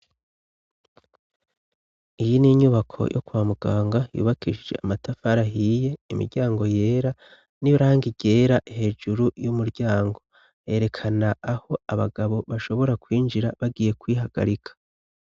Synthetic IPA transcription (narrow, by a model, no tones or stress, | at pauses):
ijiniɲuβakʰo̞̰jʔokwaːmuɡ̥aːŋɡajṵːβakʰiʒid͡ʒe̞̰ʔamatafaɾaɦije̞imḭɾɟaːŋɡo̞je̞ːɾa | niɾaːŋɡiɟe̞ːɾaʔihe̞d͡ʒuɾujumuɾɟaːŋɡo̞ | je̞ɾe̞kʰanaːho̞aβa̰ɡaβo̞βaʃo̞βo̞ɾakwiːnd͡ʒiɾaβaɡiːje̞kwiːɦaɡa̰ɾikʰḁ